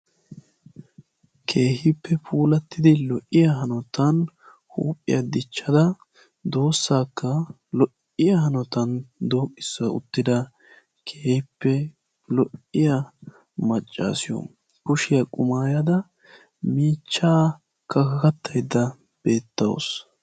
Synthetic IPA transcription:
kʰe̞ːhɪpːɛpʰuːlɐt̪ːɪd̪ɪlɔʔɪjɐɦɐnɔt̪ɐn | hṵːpʼːɪ̰jɐd̪ɪt͡ʃːɐd̪ɐ | d̪o̞ːsːaːkːɐ | lɔʔ | ɪjɐhɐnɔt̪ɐnd̪oːʔɪsːɐʊ̰t̪ːɪd̪ɐ | kʰeːhɪpːɛ | lɔʔɪjɐ | mɐt͡ʃʼːa̰ːsɪjɔ̰ | kʊʃɪjɐkʼʊmaːjɐd̪ɐ | miːt͡ʃːaː | kɐkɐkɐt̪ːɐjd̪ɐ | b̥e̞ːt̪ːɐ̰w̰s

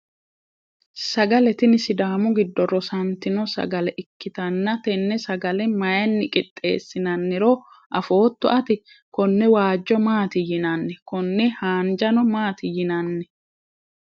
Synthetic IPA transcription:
sɐɡɐlɛt̪ɪnɪsɪd̪aːmʊɡɪd̪ːɔɾɔsɐnt̪ɪnɔsɐ̰ɡɐlɛʔɪkːɪt̪ɐnːɐt̪ɛnːɛsɐɡɐlɛmɐjɐnːɪkʼɪt̪ʼːe̞̰ːsːɪnɐnːɪɾoː | ʔɐfo̞ːt̪ːɔʔɐt̪ɪ | kɔnːɛwaːd͡ʒːɔmaːt̪ɪjɪnɐnːɛkɔnːɛhaːnd͡ʒɐnɔmaːt̪ɪjɪnɐnːɛ

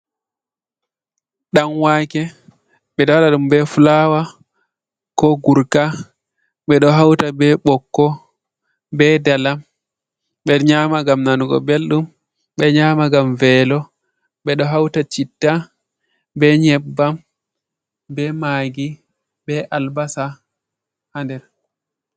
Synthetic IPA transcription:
ɗanwaːkɛ | ɓɛɗɔwaɗaɗumbɛfulawa | kɔɡuɾka | ɓɛɗɔɦawtabɛɓɔkːɔ | bɛdalam | ɓɛɲamaɡamnanuɡɔ̰belɗum | ɓɛɲaːmaɡamvɛːlɔ | ɓɛɗɔɦawtat͡ʃitːa | bɛɲɛbːam | bɛmaɡi | bɛʔalbasa | handɛɾ

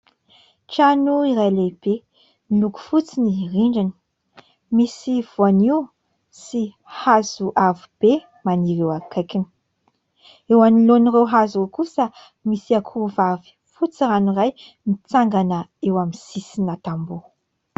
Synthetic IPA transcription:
ʈ͡ʂanuiɾajleb̥e | miluku̥fut͡siniriɳɖ͡ʐani̥ | misiv̥uaniw | si | hazuʔavib̥e | maniɾewakakin | ewanilonirewɦazuokusə | misiakʰuvavi̥ | fut͡siɾaniraj | mit͡saŋɡanəewamisisinat̪ambu

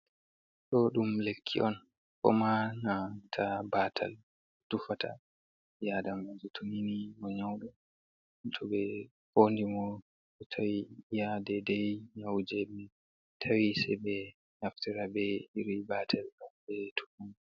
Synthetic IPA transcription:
ɗɔɗumlekʰːḭʔɔn | kɔ̰manatʰabatʰa̰l | tufatʰa̰ | jadamad͡ʒutʰoninimɔɲawɗɔ | tʰɔbɛ | hondimɔ | ɗɔtʰawijadɛdɛjɲawd͡ʒɛmɛ | tʰawisɛjbɛ | ɲaftɛɾabɛhiɾibatʰalɔɓɛtʰu̥fun

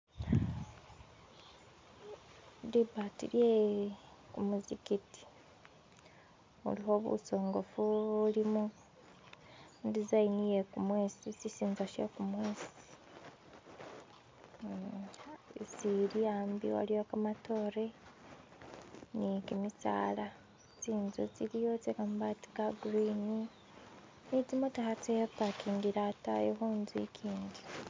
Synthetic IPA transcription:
dibatilje | kumuzikiti̥ | ṵliho̞ːβṵso̞ːŋɡo̞fuulimu | dizainijekumweːsisisiːnzaʃekumweːsi̥ | t͡siɾijaːmbḭwa̰lijokamatoːɾe | nikimit͡sa̰ːla | t͡siːnzut͡siɾijot͡sekambati̥kaɡɾini | nit͡simutahat͡seepakindiɾatajeɦunzḭkʰiːndi̥

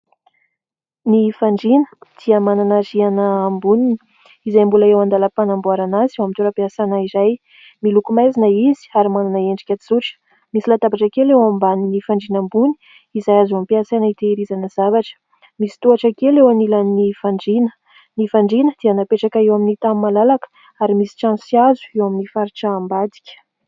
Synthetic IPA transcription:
nifaɳɖ͡ʐinə̥d̪̥iəmananazianəːmbunini | izajmbulaewand̪aləpanambuaɾanazewamit̪uɾəpiasanaizaj | milukumajzinəizi̥aɾimananəeɳɖ͡ʐi̥kʲəizuʈ͡ʂə̥ | misilat̪abaʈ͡ʂakelewambaninifaɳɖ͡ʐinambuni̥ | izajazampiasanəit̪eɾizanəz̥avaʈ͡ʂə̥ | misi̥t̪uaʈ͡ʂakelewanilanifaɳɖ͡ʐinə̥ | nifaɳɖ͡ʐinəd̪̥ianapeʈ͡ʂakaewaminit̪ammːalalakə̥ | aɾimisi̥ʈ͡ʂãnsiazu̥ewaminifaɾiʈ͡ʂaːmbad̪i̥kʲə̥

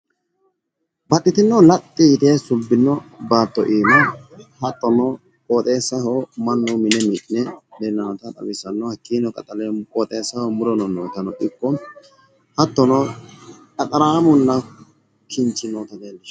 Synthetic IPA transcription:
bɐtːɪt̪ɪnːɔlɐt̪ʼːɪɪt̪eːsʊbːɪnːɔbaːt̪ːɔʔiːnɔhɐt̪ːɔnɔ | kʼoːt̪ʼeːsɐhɔmɐnːʊmɪnɛmɪʔɪnɛdɛnːɐnɔt̪ɐᶑ̪ɐ̰wɪsɐnːɔhɐkːiːnɔkʼɐt̪ʼɐlɛkʼɔt̪ʼeːsɐhɔmʊɾɔnɔnoːt̪ɐnɔʔɪkːɔm | hɐt̪ːɔnɔ | kʼɐt̪ʼɐɾaːmʊlːɐ | kʰɪnt͡ʃːɪnot̪ɐd̪eːlːɪʃ

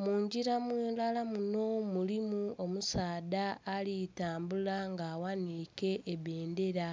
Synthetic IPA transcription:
muːɲɟiɾamweːlalamuno̞mulimuomusaːdaːlitaːmbulaŋɡaːwanike̞ʔːβe̞ːnde̞ɾa

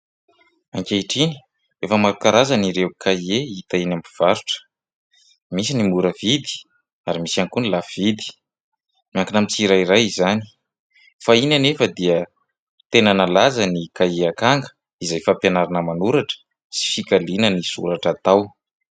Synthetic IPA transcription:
aŋkʲeiʈ͡ʂini̥ | efəmaɾukaɾazaniɾewkʰaieit̪ainambiv̥aɾuʈ͡ʂə̥ | misinimuɾəvid̪i̥ | aɾimisankunilav̥id̪i̥ | miaŋkinamit͡siɾaiɾajizani̥ | fainanefəd̪iə | t̪enanalazənikaeakaŋɡə̥ | izajfampjanaɾanəmanuɾaʈ͡ʂə̥ | si̥fikalinənisṵɾaʈ͡ʂat̪aw

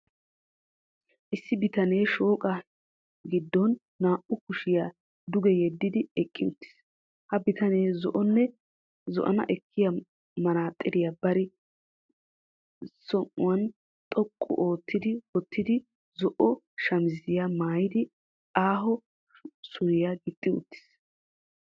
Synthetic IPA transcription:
ʔɪsːɪbɪt̪ɐne̞ːʃo̞ːkʼɐ | ɡɪd̪ːɔnː | aːʔʊkʊʃɪja | d̪ʊɡɛjɛd̪ːɪd̪ɪɛkʼːɪʊt̪ːɪ̥s | hɐbɪt̪ɐneːzɔʔɔnːɛ | zɔ̰ʔɐ̰nɐ̰ʔɛkʰːɪjɐ | mɐɾaːt̪ʼːɪd̪ɪjabɐɾɪ | sɔŋʔʊwɐn | t̪ʼɔkʼːɔ̰ʔo̞ːt̪ːɪd̪ɪwɔt̪ʰːɪd̪ɪ | zɔʔɔ | ʃɐmɪzɪjamaːjɪd̪ɪ | aːɦɔ | sʊɾɪjaɡɪt̪ʼːɪʊ̰t̪ːɪ̥s

